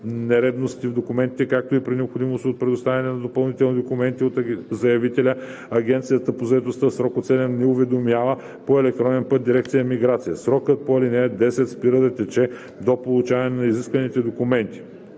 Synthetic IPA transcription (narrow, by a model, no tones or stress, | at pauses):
nɛɾɛd̪nost̪ivd̪okʊmɛnt̪it̪ɛkak̚t̪oipɾinɛopxod̪imost̪iot̪pɾɛd̪ʊst̪avɐnɛnɐd̪opɐlˠnit̪ɛlˠnid̪okumɛnt̪iot̪zɐjɐvit̪ɛlʲə | ɐɡʲɛnt̪sijət̪əpozɐɛt̪ost̪əsɾɔkot̪sɛlʲɛnnɛʊvɛd̪omjavə | poɛlɛk̚t̪ɾɔnɛnpɤt̪̚d̪iɾɛkt̪sijəmiɡɾat̪sijəsɾɔkət̪̚poɐlinɛɛd̪ɛsɛt̪spiɾəd̪ɐt̪ɛt͡ʃɛ | d̪opolˠut͡ʃavɐnɛnɐiziskvɐnit̪ɛd̪okʊmɛnt̪i̥